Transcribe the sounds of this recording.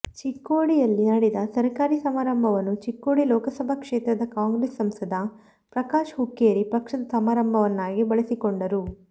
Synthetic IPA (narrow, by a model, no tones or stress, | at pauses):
t͡ʃikːoːɽijɐlːinɐɽid̪ɐsɐɾɐkaːɾisɐmaːɾɐmbʱɐʋɐnːut͡ʃikːoːɽilɔːkɐsɐbʱɐkʂeːt̪ɾɐd̪ɐkaːŋɡɾeːsːɐmsɐd̪ʱɐ | pɾɐkaːʂɦukːeːɾipɐkʂɐd̪ɐsɐmaːɾɐmbʱɐʋɐnːaːɡibɐɭɐsikoɳɖɐɾu